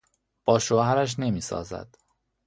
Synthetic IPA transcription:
b̥ɒːʃohæɾæʃ̬ne̞miːsɒ̰ːzæ̰d̪̥

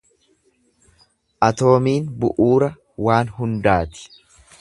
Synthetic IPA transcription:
ʔɐt̪o̞ːmiːnbʊʔuːɾɐ | waːnɦʊnd̪aːt̪ɪ̥

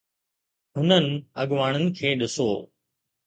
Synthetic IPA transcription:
ɦʊnənɪ̆ɐɠʋaːɽ̃ənɪ̆kʰeːɗɪso̰ː

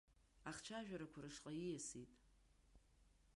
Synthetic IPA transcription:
aχt͡ʃʰaʒᶣaɾakʷʰaɾɨʂqʼaijasitʼ

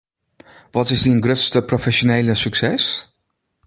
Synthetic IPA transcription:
ʋɔtɪsdiənɡrøtstəprofɛsonejləsyksɛs

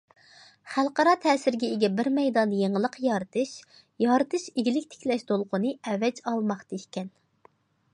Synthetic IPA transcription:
χælˠqɑɾɑt̪ʰɛːsɪɾɡʲɛeɡʲɛbɪɾmɛjd̪ɑnjeŋəlˠəqjɑɾɨt̪ʰɨʃ | jɑɾt̪ʰɨʃeɡʲilɪkʲt̪ʰe̥kʲlɛʃd̪olˠqʰʊnɨɛvɛd͡ʒɑlˠmɑχt̪ekʲɛn

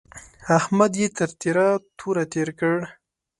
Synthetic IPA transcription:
ahmad̪jet̪əɾt̪iɾat̪ʰuɾat̪eɾkəɽ

